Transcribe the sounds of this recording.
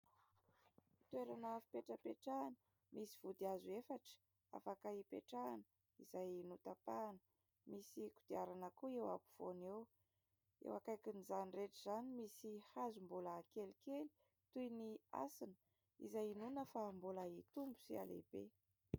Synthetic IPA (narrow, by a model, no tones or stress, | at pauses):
t̪weɾanavi̥peʈ͡ʂəpeʈ͡ʂanə̥ | misiv̥ud̪iazuefaʈ͡ʂə̥ | a̰fakaipḛʈ͡ʂanə | izajinut̪apanə̥ | misikud̪̥iaɾanəkuewa̰buv̥onew | ḛwakajkinizanireʈ͡ʂiz̥animisihazumbuləkelikeli̥ | t̪ujnia̰sinə̥ | ḭzajinunəfambuləit̪umbu̥sia̰lḛb̥ḛ